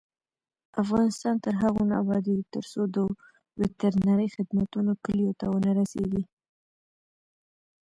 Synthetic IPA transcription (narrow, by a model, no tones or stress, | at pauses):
afɣɑnɪst̪ɑnt̪əɾɦaɣona̰wɑd̪it̪əɾsod̪ə | wɪt̪əɾnaɾəjxɪd̪mat̪unokəlijot̪awənaɾaseɡi